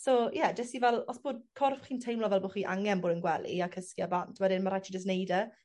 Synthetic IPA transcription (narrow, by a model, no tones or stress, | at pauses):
sojɛdɛsivɛlˠɔsb̥oːd̚kʰɔrfχiːntʰejmlɔvɛlˠboːχiːʔa̰ŋɛnboːdənɡwɛlˠḭakʰəskjabantʰwɛdɪnmaɾat͡ʃʰid͡ʒəs̬nejdə